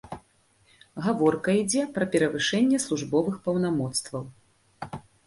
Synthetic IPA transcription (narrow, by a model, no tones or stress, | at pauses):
ɣavɔrkɐid͡zʲɛpɾɐpʲɛɾɐvɨʂɛnʲːɛslˠuʐbɔvɨxpɐwnamɔt̪st̪vɐw